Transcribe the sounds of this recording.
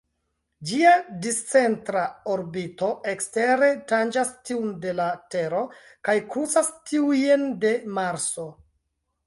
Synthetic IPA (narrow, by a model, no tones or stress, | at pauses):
d͡ʒiadist͡se̞ntɾaoɾbito̞ʔekste̞ɾe̞tand͡ʒastiunde̞late̞ɾo̞ | kajkɾut͡sastʰiujende̞maɾso̞